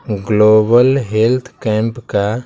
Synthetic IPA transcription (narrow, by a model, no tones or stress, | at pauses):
ɡloːbəlɦelt̪ʰkɛ̃ːmpka